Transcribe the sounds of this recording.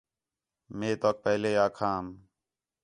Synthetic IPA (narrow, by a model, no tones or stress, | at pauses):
meːt̪oːk̚pɛɦleːaːkʰãːm